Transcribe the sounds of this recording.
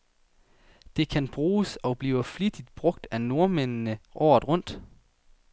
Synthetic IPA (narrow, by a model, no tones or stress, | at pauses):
d̥e̝kʰænb̥ʁuːsɒ̽b̥liːʊəflid̥id̥b̥ʁɔ̽ɡ̥̚d̥æno̝ɐmennəʔɒ̰ːðˠʁɔ̽n̰d̥